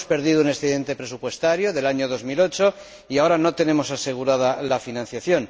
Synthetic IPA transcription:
spe̞ɾðiðounesθeðe̞nt̪epɾe̞supwe̞st̪aɾjo̞ðe̞laɲo̞ðo̞zmilo̞t͡ʃo̞ | iao̞ɾano̞t̪e̞nẽ̞mo̞sase̞ɣ̞uɾað̞alafinãnθjaθjo̞n

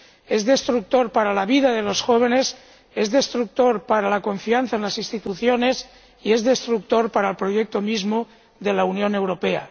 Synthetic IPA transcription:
ezðe̞st̪ɾuk̚t̪o̞ɾpaɾalaβiðaðe̞lo̞sxoβ̞ene̞s | e̞zðest̪ɾuk̚t̪o̞ɾpaɾalako̞ɱfianθaenlasinst̪it̪uθjone̞s | ie̞zðe̞st̪ɾuk̚t̪o̞ɾpaɾaelpɾo̞jek̚t̪omizmo | ðe̞launjo̞ne̞wɾo̞pea̰

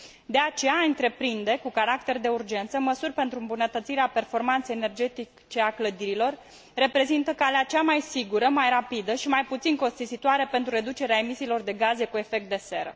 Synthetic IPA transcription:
d̪e̞at͡ʃe̞jaɨnt̪ɾe̞pɾind̪e̞kukaɾak̚t̪e̞rd̪e̞urd͡ʒe̞nt̪səməsurʲpe̞nt̪ɾuɨmbunət̪ət̪siɾeape̞rfo̞rmant̪sejene̞rd͡ʒe̞t̪i | t͡ʃe̞akləd̪iɾilo̞rː | e̞pɾe̞zint̪əkaleat͡ʃamajsiɡuɾəmajɾapid̪əʃimajput̪sinko̞st̪izit̪oaɾe̞pe̞nt̪ɾuɾe̞d̪ut͡ʃe̞ɾeaemisiːlo̞rd̪e̞ɡaze̞kue̞fe̞k̚t̪̚d̪e̞se̞̰ɾə̰

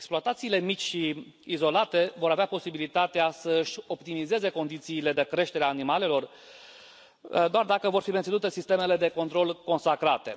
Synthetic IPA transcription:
eksploat̪at̪siːle̞mit͡ʃʲʃiː | zo̞lat̪e̞vo̞ɾaveapo̞sibilit̪at̪easəɨʃʲo̞pt̪imize̞ze̞ko̞nd̪it̪siːle̞d̪e̞kɾe̞ʃt̪e̞ɾeaːnimale̞lo̞r | d̪oard̪akəvo̞rfiment̪inut̪e̞sist̪e̞me̞le̞d̪e̞ko̞nt̪ɾo̞lko̞nsakɾat̪e̞̰

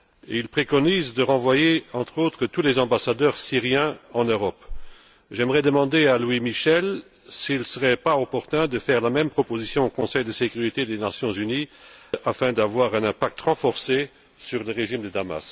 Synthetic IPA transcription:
ḛilpχekɔnizd̪əʁɑ̃vwajeɑ̃t̪χot̪χət̪ulɛzɑ̃basad̪œːʁsiʁjɛ̃ɑ̃nøʁɔp | ʒɛmʁɛd̪əmɑ̃d̪ealwimiʃɛl | silsəʁɛpaopɔʁt̪ɛ̃d̪əfɛʁlamɛmpχɔpozisjɔ̃okɔ̃sɛjd̪əsekyʁit̪ed̪enasjɔ̃zyniafɛ̃d̪avwaʁɛ̃nɛ̃pak̚t̪ʁɑ̃fɔʁse | syʁləʁeʒimd̪əd̪ama̰s

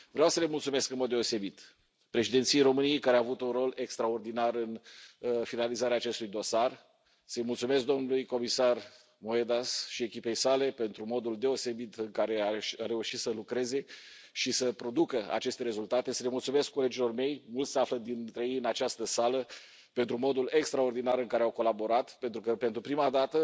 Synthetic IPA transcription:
vɾeawsəle̞mult̪sume̞skɨnmod̪ːe̞o̞se̞bit̪ | pɾe̞ʃid̪e̞nt̪sijejɾo̞mɨnijejkaɾeaːvut̪unro̞le̞kst̪ɾao̞rd̪inarɨn | finalizaɾeaːt͡ʃe̞st̪ujd̪o̞sar | səjmult̪sume̞s̬k̚d̪o̞mnulujko̞misar | mo̞ed̪asʃie̞kʲipe̞jsale̞pe̞nt̪ɾumo̞d̪uld̪e̞o̞se̞bit̪ɨŋkaɾe̞aare̞uʃit̪səlukɾe̞ze̞ | ʃisəpɾo̞d̪ukəa̰t͡ʃe̞st̪e̞ɾe̞zult̪at̪e̞səlemult̪sume̞skkːole̞d͡ʒilo̞rme̞jmult̪seafləd̪int̪ɾejejɨnat͡ʃast̪əsalə | pe̞nt̪ɾumo̞d̪ule̞kst̪ɾao̞rd̪inaɾɨŋkaɾeawko̞labo̞ɾat̪pe̞nt̪ɾukəpent̪ɾupɾimad̪at̪ə

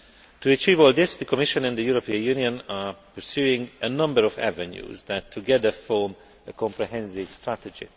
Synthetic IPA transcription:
t̪uət͡ʃiːvɔːlˠd̪ɪsd̪əkʰɔmɪʃə̃nɛ̃nd̪əjuɾopʰiə̃njuniə̃napə˞sjuɪ̃ŋɡʔənʌ̃mbəɹɔvæ̰vɛ̃njṵːzd̪ætʰːuɡɛd̪əfɔm | əkʰɔ̃mpɹɛɦɛ̃nsɪv̥stɹæt̪ɛd͡ʒḭ

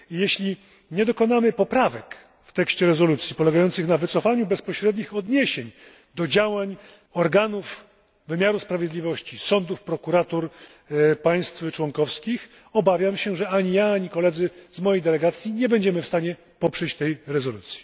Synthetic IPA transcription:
jeɕlʲi | ɲɛd̪ɔkɔnamɘpɔpɾavɛk | ft̪ɛkɕt͡ɕɛɾɛzɔlut̪sʲjipɔlɛɡajɔnt̪sɘxnavɘt̪sɔfaɲubɛspɔɕɾɛd̪ɲixɔd̪ɲeɛɕeɲ | d̪ɔd͡ʑawaɲ | ɔɾɡanuf | vɘmʲjaɾuspɾavʲjed̪lʲivɔɕt͡ɕisɔnd̪ufpɾɔkuɾat̪uɾ | paj̃st̪ft͡ʂwɔŋkɔfskʲix | ɔbavʲjamɕɛʐɛaɲijaaɲikɔlɛd̪zɘzmɔjejd̪ɛlɛɡat̪sʲjiɲɛbɛɲd͡ʑɛmɘfst̪aɲɛ | pɔpʂɛt͡ɕt̪ɛjɾɛzɔlut̪sʲji̥

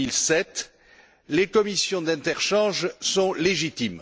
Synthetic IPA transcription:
ilsɛt̪ | lekɔmisjɔ̃d̪ɛ̃t̪ɛʁʃɑ̃ʒsɔ̃leʒit̪im

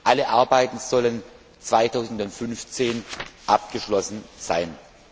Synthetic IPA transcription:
ʔaləʔaɐbaɪtn̩z̥ɔlən | t͡sv̥aɪtʰaʊzn̩dʊntfʏnft͡seːnʔap̚ɡ̥əʃlɔsn̩z̥a̰ɪn

